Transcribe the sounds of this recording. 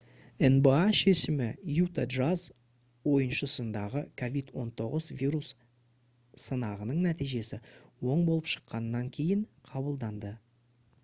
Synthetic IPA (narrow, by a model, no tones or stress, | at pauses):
enbeaʃe̞ʃɪmɪjut̪ad̪ʒaz | wo̞jənʃəsənd̪ɑʁəkʰo̞vid̪wo̞̰nt̪ʰo̞ʁəzvijɾus | sənɑʁənəɴnæt̪ijʒe̞sɪwo̞ɴbolˠəpʃə̥qːɑnːɑŋkʲʰe̞jɪɴqʰɑβəlˠd̪ɑnd̪ə